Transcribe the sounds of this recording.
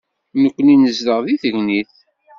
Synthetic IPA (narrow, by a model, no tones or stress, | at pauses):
nəkʷːəninəzðəʁðiθəɡniθ